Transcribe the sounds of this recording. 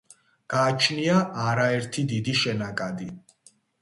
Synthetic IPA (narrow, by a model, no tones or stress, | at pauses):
ɡ̥aːt͡ʃʰniaʔaɾaɛɾt̪ʰid̪id̪iʃɛnakʼad̪i